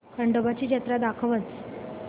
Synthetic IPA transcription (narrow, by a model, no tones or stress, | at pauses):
kəɳɖəbat͡ɕiːd͡ʑət̪ɾad̪akʰəʋət͡s